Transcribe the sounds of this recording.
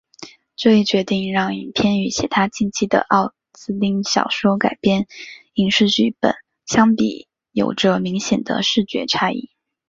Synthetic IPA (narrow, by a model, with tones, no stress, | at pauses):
ʈ͡ʂt͡ɕɥɛ˧˥t̪i˥˧ŋɻɑ˥˩ŋi˨˩pʰjɛ˥˧ny˧˥t͡ɕʰjɛ˨˥t̪ʰa˥t͡ɕi˥˩nt͡ɕʰi˥˩d̪ə̰˧ʔɑ˥˩ʊ | sɹ̩˥li˥ŋɕjɑ̰˨˩ʊʂwɔ˥ka˨˩ɪpjɛ˥˩n | i˧˥ŋʂɻ̩˥˧t͡ɕy˥˩pə̰˨˩˦n | ɕjɑ˥ŋpḭ˨˩ | jo̰˨˩ʊʈ͡ʂə˦mi˧˥ŋɕjɛ˨˩nd̪ə̰˦ʂɻ̩˥˩t͡ɕɥɛ̰˧˥ʈ͡ʂʰa˥ḭ˥˩